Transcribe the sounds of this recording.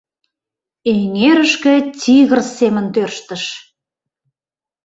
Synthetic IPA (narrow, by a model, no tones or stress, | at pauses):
eŋeɾəʃkĕt͡sʲiɣərsemə̆nt̪ørʃt̪ə̆ʃ